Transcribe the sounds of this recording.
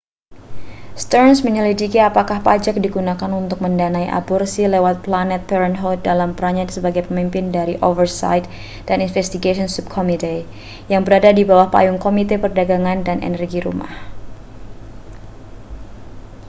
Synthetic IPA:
st̪ərnsməɲəlidikiapakahpad͡ʒak̚diɡunakanunt̪ʊk̚məndanaiʔa̰bɔrsilewat̪̚planɛt̪̚pɛɾɛnɦɔt̪̚dalampəɾaɲasəbaɡajpəmimpɪndaɾiʔovərsa̰jt̪̚ | d̥aninfɛst̪iɡaiɔnsub̚kʰɔmit̪e | jaŋbəɾadadibawahpa̰jʊŋkomit̪epərdaɡaŋandanḛnərɡiɾṵma̰h

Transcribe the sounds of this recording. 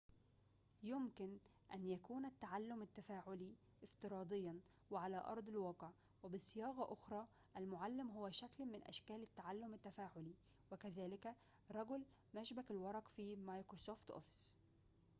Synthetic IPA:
jʊmkɪn | ʔæ̰njækuːnat̪ːaʕalːʊmɪt̪ːafaːʕʊli | ʔɪft̪ɨɾˤɑːd̪ˤɪjːɑn | wɪʕalæːʔɑ̰ɾˤd̪ˤɪlwɑːqʕ | wɪbɪsːɪjɑːɣɑʔʊxɾˤɑː | ʔælmʊʕalːɪmɦʊwæʃæklmɪnʔæ̰ʃkæːlɪt̪ːaʕalːʊmɪt̪ːæfaːʕʊli | wɪkæzæːlɪkæ | ɾˤɑɡʊl | mæʃbækɪlwɑɾˤɑqfiːmajkɾosoːft̪ʔo̰fɪ̥s

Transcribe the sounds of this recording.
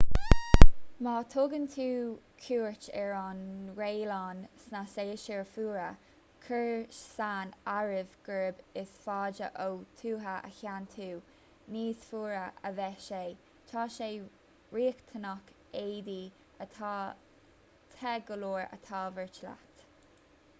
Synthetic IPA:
mɑːt̪ʰoɡənt̪ʰuː | kʰuːɹt͡ʃɛɹɑnɹeːlɑːnsnaseːʃɛɹfuːɹə | kʰəɹʃsaːnaɹɪvɡ̥əɹɪbɪsfɑːd͡ʒə̰ʔowt̪ʰuːɦəʔə̰çant̪ʰuː | niːsfuːɹəʔə̰vɛʃej | t͡ʃʰɑːʃeː | ɹiːkt̪ʰənɔk | eːd̪iː | ətʰː | t̪ʰɛɡəloːɹə̰t̪ʰɑːvəɹt͡ʃla̰t̪

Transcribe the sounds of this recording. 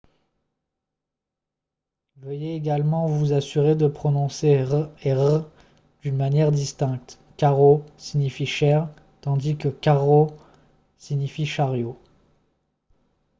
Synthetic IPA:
vəjeːɡalmɑ̃vuzasyʁed̪əpχɔnɔ̃seʁeʁə | d̪̥ynmanjɛʁd̪ist̪ɛ̃k̚t̪ | kaʁosiɲifiʃɛʁ | t̪ɑ̃d̪ikəkaʁo | siɲifiʃaʁjo

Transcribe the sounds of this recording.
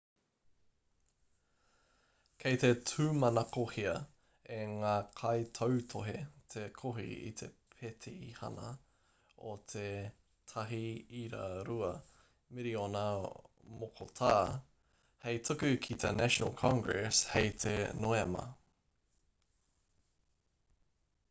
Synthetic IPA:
kʰejt̪etʰʉmɐnɐkohiɐ | eŋaːkʰɐjt̪ʰowt̪ʰoɦet̪ʰekʰoɦḭḭt̪ʰe̞pʰet̪ʰiihɐ̰nɐ̰ | ot̪ʰe | t̪ʰɐɦiiɾa̰ɾuɐ | miɾionɐ | mokʰot̪ʰaː | hejt̪ʰukʉkʰit̪ʰenæʃonə̰lˠkʰɑ̃ŋɡɹɛshejt̪ʰḛnoemɐ̰

